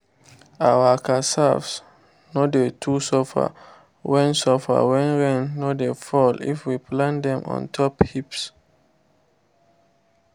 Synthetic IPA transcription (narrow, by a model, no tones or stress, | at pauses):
awakasavs | nodetʰusɔfa̰ | wɛ̃nsɔfa̰wɛ̃nɹɛ̃nːodefɔlḭfwiplãndɛ̃mɔ̰̃ntʰɔphips